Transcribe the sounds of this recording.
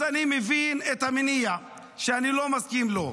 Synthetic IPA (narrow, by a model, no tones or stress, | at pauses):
animevinet̪haminija | ʃeanilomaskimlo